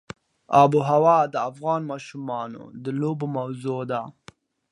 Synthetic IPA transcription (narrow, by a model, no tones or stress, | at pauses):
ɑbuɦawɑd̪əafɣɑnmɑʃumɑno̰d̪əlobomawzod̪a